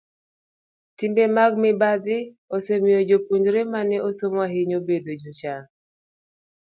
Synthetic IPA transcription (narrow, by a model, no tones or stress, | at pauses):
timbemaɡ̚mɪbad̪ɪ | osemijod͡ʒopuɲd͡ʒɾemanɛosomwaɦɪɲobedod͡ʒot͡ʃa